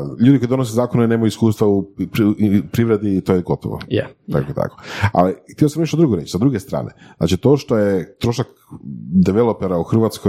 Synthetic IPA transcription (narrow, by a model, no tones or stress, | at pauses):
ʎuːd̪ikojid̪onos̬ezaːkonone̞ːmajuiskuːst̪ʋau | pɾiʋɾed̪it̪ojeɡo̞t̪o̰ʋo̰ja̰t̪a̰koet̪a̰ko̥a̰lixt̪iosamneʃt̪od̪ɾuɡoɾet͡ɕt͡ʃisad̪ɾuɡest̪ɾa̰ːnʔezna̰ːt͡ʃit̪o̞ʃt̪ojet̪ɾo̞ːʃak | d̪eʋelˠopeɾauxɾr̩ʋat̪sko